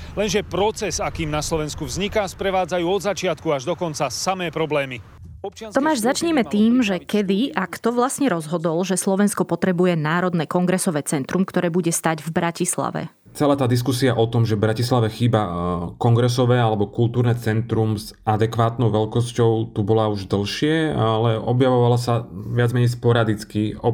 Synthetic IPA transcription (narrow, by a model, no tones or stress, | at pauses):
lɛnʒɛpɾɔt͡sɛsakiːmnaslɔʋɛnskuvzɲikaːspɾɛʋaːd͡zajuːɔd̪zat͡ʃɪat̪kuaʒd̪ɔkɔnt͡sasamɛːpɾɔblɛːmi | ɔpt͡ʃɪɔmaːʒzat͡ʃɲɛmɛt̪iːmʒɛkɛd̪iʔakt̪ɔʋlasɲɛɾɔzɦɔd̪ɔlʒɛslɔʋɛnskɔpɔt̪ɾɛbujɛnaːɾɔd̪nɛːkɔŋɡɾɛsɔʋɛːt͡sɛnt̪ɾumkt̪ɔɾɛːbuɟɛst̪aɟvbɾacisla̰ʋɛ̰ | t͡sɛlaːt̪aːd̪is̬kusiaʔɔt̪ɔmʒɛvbɾacislaʋɛxiːbakɔŋɡɾɛsɔʋɛːalɛbɔkulˠt̪uːɾnɛːt͡sɛnt̪ɾumzad̪ɛkʋaːt̪nɔʊʋɛlkɔscɔʊt̪ubɔlauʒd̪l̩ʃɪɛalɛɔbjaʋɔʋalasaʋɪad͡zmɛɲɛjspɔɾad̪it͡skiɔ